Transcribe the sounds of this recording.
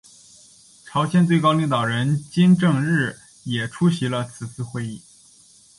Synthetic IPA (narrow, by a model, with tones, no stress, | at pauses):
ʈ͡ʂʰɑ˧˥ʊɕʰjɛ˥˧nt͡swe˥˧ɪkɑ˥ʊli˧˥ŋt̪ɑ˨˩ʊɻə˧˥nt͡ɕi˥nʈ͡ʂɤ˥˧ŋɻɻ̩˥˩ | jɛ˨˩ʈ͡ʂʰu˥ɕi˧˥lə˧t͡sʰɹ̩˨˩t͡sʰɹ̩˥˧xwe˥˧ɪi˥˩